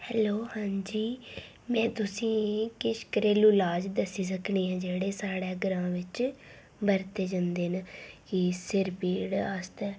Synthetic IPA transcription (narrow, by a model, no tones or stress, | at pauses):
hɛːloːhãːɲd͡ʒiː | mɛ̃ːt̪ʊsĩːkɪʃkəɾeːluːlaːd͡ʒd̪əsiːs̬əkʰɳiːɦãːd͡ʒeːɽeːsaːɽɛːɡəɾãːʋɪt͡ʃ | bəɾt̪eːd͡ʒãːnd̪eːnkisɪɾpiːɽaːst̪ɛː